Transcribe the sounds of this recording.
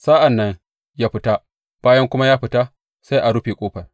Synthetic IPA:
saː˦ʔa˨nːɐ˦ŋ | jaː˦ɸɪ˦ta˦ | b̥aː˦jɐ˦ŋkʷʊ˦ma˦jaː˦ɸɪ˨˦ta˦ | sa˦jʔa˨ɽʊ˦ɸeː˨kʷʼoː˦ɸɐ˨r

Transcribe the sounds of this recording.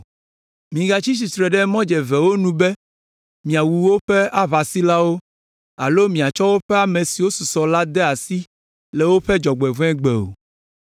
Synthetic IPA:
mĩ˨ɡa˨t͡ʃi˦s̬i˨t̪ɾɛ˨ɖɛ˦mɔ̃˦d͡ʒɛ˨vɛ˨wo˦nũ˦bɛ˦ | mĩ˨a˨wu˨wo˦ɸe˦a˦βa˨si˦la˦wo˦ | a̰˨lo˦mĩ˨a˨t͡ʃɔ˦wo˦ɸɛ˦a˨mẽ˨si˨wo˦su˨sɔ˨la˦d̪ɛ˦a˨si˦ | le˨wo˦ɸɛ˦d͡ʒɔ˨ɡ͡bɛ˨vɛ̃˦ɡ͡bḛ˨o̰˨

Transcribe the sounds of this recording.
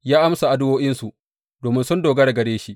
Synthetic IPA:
jaː˦ʔa˦msa˨ʔa˨dʊ˦woː˦ʔɪ˦nsu˨ | doː˨mɪ˦nsʊ˦ndoː˨ɡɐ˦ɽa˨ɡɐ˨ɽeː˦ʃi˦ʔ

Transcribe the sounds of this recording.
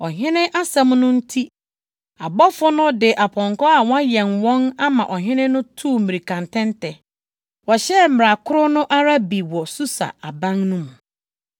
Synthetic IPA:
ɔ˨ɦɪ̃˦nɪ̃˦ʔa˦sã˦mnʊ̃˦n̩˦tʰi˦ | a˨bɔ˦fʊ˦nʊ̃˦dɪ˨ʔa˨pʰɔ̃˨ŋkɔ˦a˨wɔ̃˦a˦jɛ̃˨nwɔ̃˦na˦mã˨ʔɔ˨ɦɪ̃˦nɪ̃˦nʊ̃˦tʰuː˦˨mi˨ɾi˨kʰã˨ntʰɛ̃˦ntʰɛ˨ | wɔ˨ɕɛ˦m̩˦˨m˨ɾa˨kʰʊ˦ɾʊ˦nʊ̃˦ʔa˦ɾa˦bi˨wɔ˨su˦sa̰˨a˨bã˦ŋnʊ̃˦mũ˨

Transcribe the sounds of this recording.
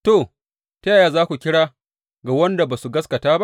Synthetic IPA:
toː˨ | ta˦jaː˨jaː˨zaː˦kʷu˨kʲɪ˦ɽaː˦ | ɡa˨wɐ˦nda˨baː˨su˨ɡɐ˦skɐ˨taː˦ba˦ʔ

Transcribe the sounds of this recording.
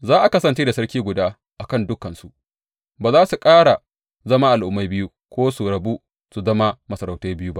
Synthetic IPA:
zaː˦ʔa˨kɐ˦sɐ˨nt͡ʃeː˦da˨sɐ˦ɽkʲiː˦ɡʷʊ˨daː˦ | ʔa˨kɐ˦˨ndʊ˦kɐ˨nsu˨ʔ | baː˨zaː˦su˨kʼaː˦ɽa˨ | zɐ˦maː˦ʔa˨lʔʊ˦mːa˦jbɪ˦ju˦ | kʷoː˦su˨ɽɐ˨bu˦ | su˨zɐ˦ma˦mɐ˨sɐ˨ɾa˨wta˦bɪ˦ju˦ba˦ʔ

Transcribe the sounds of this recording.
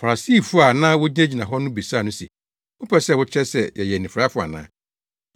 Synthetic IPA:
fa˨ɾa˨si˦˨fʊ˦a˨nã˦wʊ˦d͡ʑi˦ɛ˦d͡ʑi˨nã˨ɦɔ˦nʊ̃˦bi˨saː˦˨nʊ̃˦sḭ˨ | ʊ˦pʰɛ˦sɛ˦wʊ˦t͡ɕʰɛ˦sɛ˨jʔɛ˨jɛ˨nɪ̃˨fɾa˦fʊ˦a̰˨nã̰ː˦

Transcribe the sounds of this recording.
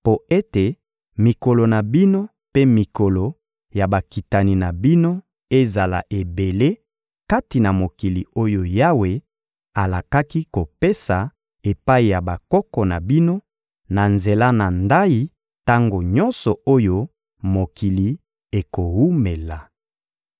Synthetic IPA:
po˦e˦te˨ | mi˨ko˨lo˨na˨bi˦no˦ | pe˦mi˨kɔ˨lɔ˨ | ja˨ba˨ki˨ta˨ni˨na˨bi˦no˦ | e˦za˨la̰˨ʔe˨be˨le˦ | ka˦ti˨na˨mo˨ki˨li˨o˦jo˦ja˦we˨ | a˨la˨ka˦ki˦ko˨pe˦sa˨ | e˨pa˦i˨ja˨ba˨kɔ˦kɔ˨na˨bi˦no˦ | na˨nze˨la˦na˨nda˦i˦ | ta˦ŋɡo˨ɲɔ̃˦nsɔ˨o˦jo˦ | mo˨ki˨li˨ | e˨ko˨hu˦me˨la˨

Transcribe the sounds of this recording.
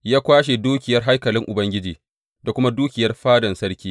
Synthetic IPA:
jaː˦kʷaː˦ʃ̬e˨duː˦kʲɪ˨jɐ˦rɦa˦jkɐ˨lɪ˦ŋʔʊ˨bɐ˦ŋɡʲɪ˦d͡ʒiː˨ | da˨kʷʊ˦ma˦duː˦kʲɪ˨jɐ˦rɸaː˦dɐ˨nsɐ˦ɽkʲiː˦

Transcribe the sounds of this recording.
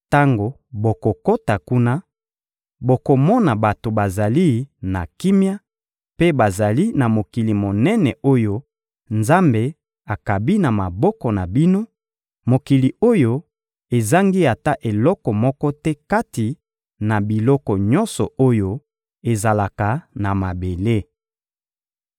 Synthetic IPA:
ta˦ŋɡo˨ | bo˨ko˨ko˦ta˨ku˦na˦ | bo˨ko˨mɔ˦na˨ba˨to˨ba˨za˨li˦na̰˨ki˦mja˦ | pe˦ba˨za˨li˦na˨mo˨ki˨li˨mo˨nɛ˦nɛ˨o˦jo˦ | nza˦mbe˨ | a˨ka˨bi˦na˨ma˨bɔ˦kɔ˨na˨bi˦no˦ | mo˨ki˨li˨o˦jo˦ | e˨za˦ŋɡi˦a˨ta˦ʔe˨lɔ˦kɔ˨mɔ˦kɔ˦tɛ˦ka˦ti˨ | na˨bi˨lɔ˦kɔ˨ɲɔ˦nsɔ̰˨o˦jo˦ | e˨za˨la˨ka˨na˨ma˨be˨le˦

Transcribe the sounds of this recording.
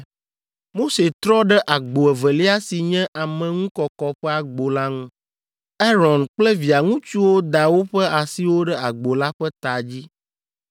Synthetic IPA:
mo˦se˨t̪ɾɔ˦ɖɛ˦ʔa˨ɡ͡bo˨ɛ˨vɛ˨li˦a˦si˨ɲɛ̃˦ʔa˨mɛ̃˨ŋũ˦kɔ˨kɔ˦ɸɛ˦a˨ɡ͡bo˨la˦ŋũ˦ | ɛ˦ɾɔ̃˨nk͡plɛ˦vi˨a˨ŋũ˦t͡ʃu˦wo˦d̪a˨wo˦ɸɛ˦a˨si˦wo˦ɖɛ˦a˨ɡ͡bo˨la˦ɸɛ˦t̪a˨d͡ʑi˦

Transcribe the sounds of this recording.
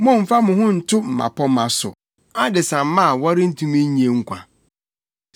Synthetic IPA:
mʊ̃˦˨m̩˨fa˦mʊ̃˨ɦʊ̃˦n̩˨tʰʊ˦m̩˨ma̰˨pʰɔ˦mã˨sʊ̰˨ | a˦dɪ˨sã˨m˦mã˦˨wa˦ɾɪ˦n̩˦tʰũ˦mĩ˦ɲ˨˦e˨ŋ̩˦kʷʰã˨

